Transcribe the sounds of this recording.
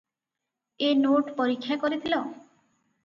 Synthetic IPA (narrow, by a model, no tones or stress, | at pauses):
enoʈpɔɾikʰːjakɔɾit̪ʰilɔ